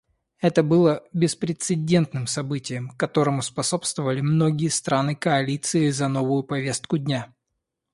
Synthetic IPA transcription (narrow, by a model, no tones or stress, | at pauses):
ɛt̪əbɨlˠəbʲɪspɾʲɪt̪sɨdʲe̞nt̪nɨmsɐbɨtʲɪjəmkɐt̪o̞ɾəmʊspɐso̞pst̪vəvəlʲɪmno̞ɡʲɪjəst̪ɾanɨkɐɐlʲit̪sɨɪzɐno̞vʊjʊpɐvʲe̞st̪̚kʊdʲnʲa